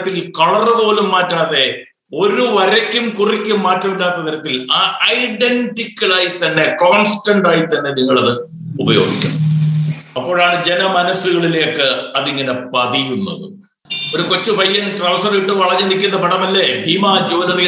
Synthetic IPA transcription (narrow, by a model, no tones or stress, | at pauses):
t̪ːilkɐɭɐrɨpo̞ːlumːaːtːaːðe̞ | o̞ɾuʋɐɾɐkʲːumkurikʲːumːaːtːɐmiɭːaːt̪ːɐt̪iɾɐt̪ːilaːɐjɖenɖikʲːɐɭaːjit̪ːɐnːe̞koːnsʈɐɳɖaːjit̪ːɐnːe̞niŋːɐɭɐðɨ | ubɐjo̞̰ːɡikʲːɐ̰ɳɐm | ɐpːo̞ːɻaːɳɨd͡ʑe̞nɐmɐnɐsuɣɐɭileokːeɐðiŋːɐne̞pɐðijunːɐ̰ðɨ̰ | oɾukot͡ɕːɨbʱɐjːɐnʈrɐʋsɐriʈːɨʋɐɭɐɲːɐnikʲːunːɐpɐɽɐmɐlːebʱiːmaːd͡ʑoːnɐri